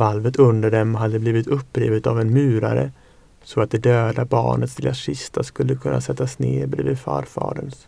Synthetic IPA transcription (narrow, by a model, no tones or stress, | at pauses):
valvət̪ʰɵnd̪əɖɛmɦad̪ːəbliːvɪt̪ɵpːɾiːvət̪avɛnmʉ̟ːɾa̰ɾə̰ | sɔat̪̚d̪ɛd̪øːd̪abɑ̰ːɳət̪sd̪ɪlasɪst̪ʰaskɵlːəkʰɵnːa̰sɛt̪ːasneːbɾvɪd̪fœ̰ːɾfɑ̰ːɖəns